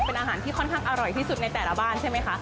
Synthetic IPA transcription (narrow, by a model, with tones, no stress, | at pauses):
pe˧nʔaː˧ɦaː˩˦nt̪ʰiː˥˩kʰɔ˥˩nkʰaː˥˩ŋʔa˧ɾɔ˨˩jt̪ʰiː˥˩su˨˩t̪̚na˧jt̪ɛː˨˩la˦˥baː˥˩nt͡ɕʰa˥˩jm˦˥jkʰa˦˥ʔ